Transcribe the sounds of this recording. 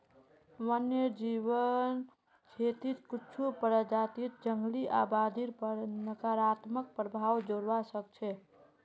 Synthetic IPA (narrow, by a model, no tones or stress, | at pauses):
məned͡ʒiβən | t͡ʃʰet̪it̪kit͡ʃʰupəɾəd͡ʒat̪it̪̚d͡ʒəŋɡliʔa̰bad̪ʱiɾpənəkaɾat̪mək̚pɾəbʱawd͡ʒoɾʋasək̚t͡ʃʰɛ